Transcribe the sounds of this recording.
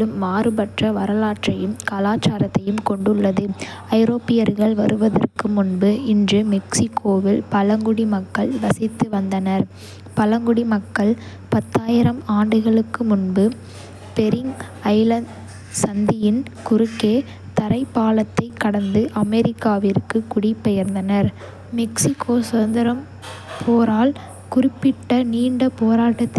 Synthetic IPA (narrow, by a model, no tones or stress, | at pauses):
lɯmːaːrɯbɐʈrɐʋɐɾɐlaːʈrɐjɯmkalaːt͡ʃːaːɾɐt̪ːɐjɯmkɔɳɖɯɭːɐðɯ | ɐɪɾoːpɪjɐɾɣɐɭʋɐɾɯʋɐðɐ̰rkɯmʊnbɯɪndrɯmɛksɪkʰːoːʋɪlpɐlɐŋɡʊɽimɐkːɐɭʋɐsɪt̪ːɯʋɐnd̪ɐnɐɾ | pɐlɐŋɡʊɽimɐkːɐɭ | pɐt̪ːaːjɪɾɐmaːɳɖɯɣɐɭɯkːɯmʊnbɯ | pɛɾɪŋɡ | ɐɪlɐɳɖ | sɐnd̪ɪjɪnkʊɾɯkːeː | t̪ɐɾɐɪpːaːlɐt̪ːɐɪkːɐɽɐnd̪ɯʔɐmɛɾɪkːaːʋɪrkɯkʊɽipːɛjɐɾnd̪ɐnɐɾ | mɛksɪkʰːoːsɐnd̪ɪɾɐm | pʰoːɾaːl | kʊrɪpːɪʈːɐniːɳɖɐpoːɾaːʈːɐt̪ː